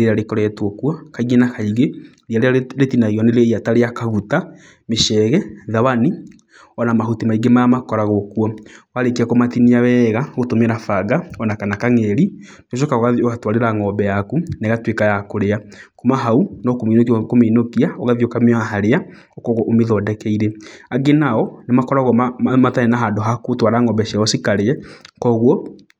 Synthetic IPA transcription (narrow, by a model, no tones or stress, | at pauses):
eɾaɾekɔɾɛɛtwokwɔkaiɣenakaiɣe | ɾiaɾeɾetinaɣiɔneɾeiataɾeakaɣuta | meʃɛɣɛðawani | ɔnamaɦutimaiɡemaamakɔɾaɣokwɔwaɾekiakomatiniawɛːɣaɣotomeɾafaɡaɔnakanakaŋɛɾi | noʃ̬ɔkaoɣaðoɣatwaɾeɾaŋɔːbɛjakunɛɣatwekajakoɾeakomaɦaunɔkominokikomiːnokiaɔɣaðiokameɔaɦaɾea | ɔkɔɣɔʔomeðɔːdɛkɛiɾeaɡenaɔnemakɔɾaɣɔmmatanenaɦadoɦakotwaɾaŋɔbɛʃiaɔsikaɾeɛkɔɣwɔ